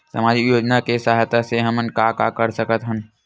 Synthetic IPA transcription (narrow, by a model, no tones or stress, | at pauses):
sə̰maːd͡ʒijoːd͡ʒnakesaːɦjt̪aseɦəmənkaka̰kəɾsəkət̪ɦʊn